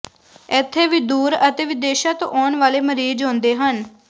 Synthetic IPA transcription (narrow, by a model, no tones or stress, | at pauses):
ɛːt̪ʰːeːʋiːd̪uːɾət̪eːʋɪd̪eːʃaːt̪õ̰ːʔɔːnʋaːleːməɾiːd͡ʒɦõːnd̪eːɦən